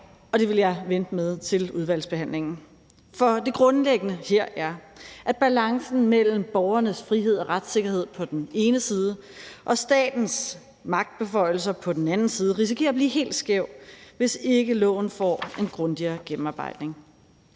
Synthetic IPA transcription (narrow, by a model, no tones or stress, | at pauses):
ɒ̽ɾ̥e̝ʋe̝ljɑ̈ɪʋend̥əmeð̞ˠt͡sʰe̝luð̞ˠʋæl̰sb̥e̝hæn̰le̝ŋn̩ | fɒ̽d̥e̝ɡ̥ʁɔ̽nleɡ̥ənəheɐ̰ʔæɐʔæd̚b̥ælɑ̈ŋsn̩mel̰m̩b̥ɒʊɐnəsfʁiɦe̝ð̞̰ˠɒ̽ʁad̥se̝ɡ̥ɐɦe̝ð̞̰ˠpʰɒ̽d̥ne̝ːnəsiːð̞ˠə | ʔɒ̽sd̥ɛ̰ːd̥n̩s | mɑ̈ɡ̥̚d̥̚b̥e̝fɒ̽ɪ̰l̩sɐpʰɒ̽d̥en̩ænn̩siːð̞̩ˠəʁis̬ikʰe̝ːɐb̥liːɦe̝̰ːld̥sɡ̥eʊ̰ʋe̝se̝ɡ̥əlɔ̰̽ːʊn̩fɒ̰ːe̝nɡ̥ʁɔ̽nd̥iɐːɡ̥em̩ɑ̈ːb̥ɑ̈ɪ̰d̥ne̝ŋ